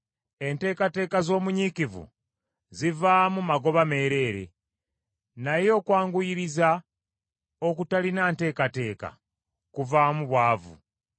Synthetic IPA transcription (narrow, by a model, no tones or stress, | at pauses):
e̞nte̞ːkate̞ːkazo̞ːmuɲikivṵ | zivaːmumaɡo̞βame̞ːɾe̞ːɾe̞̰ | najo̞ːkwaːŋɡujiɾiza | okutalinaːnte̞ːkate̞ːka̰ | kuvaːmuβwaːvṵ